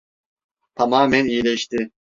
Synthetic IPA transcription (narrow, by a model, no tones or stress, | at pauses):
t̪ʰamaːmɛnijilʲɛʃt̪ɪ